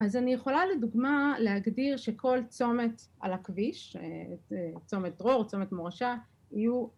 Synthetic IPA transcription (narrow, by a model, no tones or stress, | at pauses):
azanijeχo̞laleduɡmalehaɡdiʁʃe̞kʰo̞lt͡so̞me̞ta̰lakviʃeet͡so̞met̪̚d̪ʁo̞ʁt͡so̞met̪moʁaʃa | iju